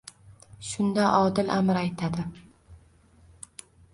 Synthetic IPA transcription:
ʃʊnd̪aʔɒd̪ɪlʔamɪɾajt̪ʰad̪ɪ

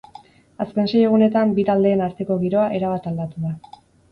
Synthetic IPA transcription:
aske̞nse̞je̞ɣ̞une̞t̪ambit̪ald̪e̞ːnaɾt̪e̞ko̞ɣ̞iɾo̞aʔe̞ɾaβat̪ald̪at̪uða

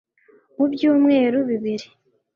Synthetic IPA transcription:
mubjuːmŋe̞ːɾuβiβiɾi

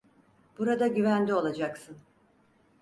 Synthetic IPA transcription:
b̥uɾad̪aɟyvænd̪ʲio̞lˠad͡ʒaksɯn

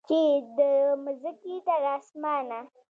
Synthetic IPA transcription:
t͡ʃid̪əmʊzəkit̪aɾaːsmɑːna

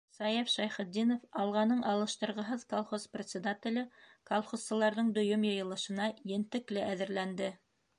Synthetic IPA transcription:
sɑjefʃɑjχɘ̆d̪ːinofɑlˠʁɑnɤɴʔɑlˠɤ̆ʃt̪ɤ̆ɾʁɤ̆ɦɤðkolˠχosprʲɪt̪sʲɪd̪at̪ʲɪ̆lɘkolˠχossɤ̆lˠɑɾðɤɴd̪ɵ̆jɵmjɤ̆jɤ̆lˠɤ̆ʃɤ̆nɑjɘ̆nt̪ɘ̆klɘʔæðɘ̆ɾlænd̪ɘ

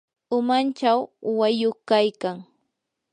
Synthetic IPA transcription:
ʊmant͡ʃawːajoχkajkaŋ

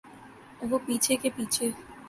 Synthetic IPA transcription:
bopit͡ɕʰekepit͡ɕʰe

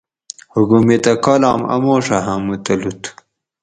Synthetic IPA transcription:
huɡumet̪ɐkoːla̰ːmɐ̰moːʂaɦamut̪ɐlut̪

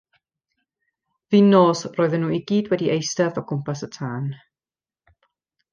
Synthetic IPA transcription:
viːnoːsroːðənːuːiɡiːdwɛdiʔejstɛðɔɡʊmpasətʰaːn

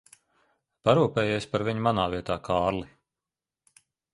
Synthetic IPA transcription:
paɾuːpɛːjeːsʲpaɾviɲumanaːviɛt̪aːkʰɑːɾli

